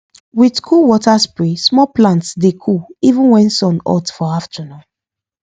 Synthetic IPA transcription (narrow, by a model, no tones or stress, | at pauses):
widkʰuwɔtaspɹismɔplãntsdekʰuivũnwɛ̃nsɔ̃nɔ̰tfɔaftənɔ̃n